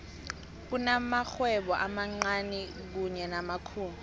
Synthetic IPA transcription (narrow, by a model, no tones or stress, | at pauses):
k̬unamaxwɛɓɔʔamaŋ͡ǀanɛ | k̬uɲɛnamakʰuːnu